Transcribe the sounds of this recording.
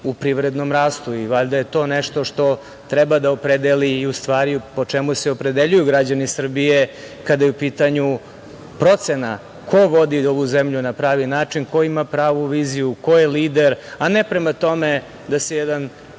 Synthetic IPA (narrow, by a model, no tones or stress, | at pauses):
upɾiʋɾed̪no̞mɾaːst̪uiʋaʎd̪aje̞t̪o̞ːneʂt̪o̞ʂt̪o | t̪ɾɛbad̪aopɾed̪eliːust̪ʋaːɾipo̞t͡ʂemuseopɾed̪eʎujuɡɾad͡ʑanisr̩bije | kad̪ajeupiːt̪aɲu | pɾo̞t̪sena | kʰoʋo̞d̪ioʋuzemʎunapɾaːʋinaːt͡ʂinko̞imapɾaːʋuʋiːzijuko̞jeliːd̪eɾanepɾemat̪o̞me | d̪asejɛd̪an